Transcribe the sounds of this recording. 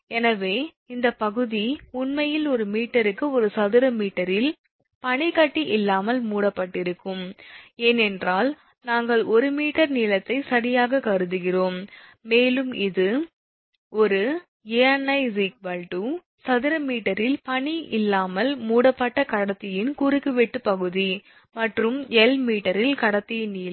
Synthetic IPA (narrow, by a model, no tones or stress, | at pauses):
ɛnɐʋeː | ɪnd̪ɐpɐɣɯðiʊnmɐjɪlɔɾɯmiːʈːɐɾɯkːɯɔɾɯsɐðɪɾɐmiːʈːɐɾɪl | pɐɳikɐʈːiʔɪlːaːmɐlmuːɽɐpːɐʈːɪɾɯkːɯmeːnɛndraːl | naːŋɡɐɭɔɾɯmiːʈːɐɾniːlɐt̪ːɐɪsɐɽɪjaːɣɐkɐɾɯðɯɣɪroːmːeːlɯmɪðɯ | ɔɾɯ | ejɐnːɐɪsik̚bɐlʈu | sɐðɪɾɐmiːʈːɐɾɪlpɐɳiʔɪlːaːmɐlmuːɽɐpːɐʈːɐkɐɽɐt̪ːɪjɪnkuɾɯkːɯʋɛʈːɯpːɐɣɯði | mɐʈrɯmɛlmiːʈːɐɾɪlkɐɽɐt̪ːɪjɪniː